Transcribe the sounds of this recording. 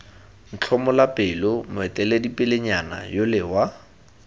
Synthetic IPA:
n̩t͡ɬʰɔmɔlapʼɪlʊmʊɛtʼɛledipʼɪleɲana̰jolɪwa

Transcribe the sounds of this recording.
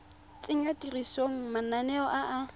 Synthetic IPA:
t͡sʼɪŋatirisoŋ̩mananɛɔʔaʔa

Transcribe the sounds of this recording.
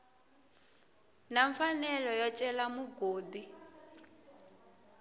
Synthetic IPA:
naɱfanɛlɔjɔt͡ʃʼɛlamuɡoːdi

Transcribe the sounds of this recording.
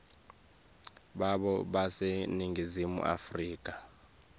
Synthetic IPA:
ɓaɓɔɓaseniŋɡʱizimṵʔa̰friːkʼa

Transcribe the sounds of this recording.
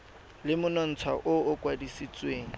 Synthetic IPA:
lɪmʊnɔn̩t͡sʰwa̰ʔʊʊkʼwadisit͡sʼweːŋ̩

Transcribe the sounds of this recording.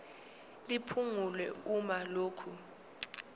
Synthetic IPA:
lipʰuŋulwɛumaloːkʰu

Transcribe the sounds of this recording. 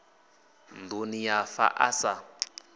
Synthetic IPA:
ndunijafa̰ʔasa

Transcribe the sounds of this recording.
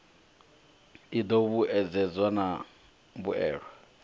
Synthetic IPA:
id̪oβuɛd͡zɛd͡zwana | βuɛ̰ːɺwa

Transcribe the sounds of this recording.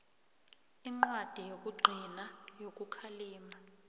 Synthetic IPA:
iŋ͡ǃwad̥ʱijok̬ʼuɡ͡ǃʱinajok̬ʼukʰaliːma

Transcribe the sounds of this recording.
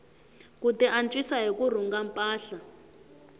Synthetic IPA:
kutɛʔant͡ʃʼwisaɦikur̤uŋɡampʼaːɬa

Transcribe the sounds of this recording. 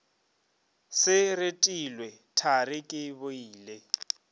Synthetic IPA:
sɪretʼilwɛ | tʰarɪkʼɪbʊiːle

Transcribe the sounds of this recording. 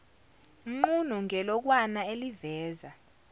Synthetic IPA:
ŋ͡ǃun̤uŋʱɛlɔk̬wanaelivɛːza

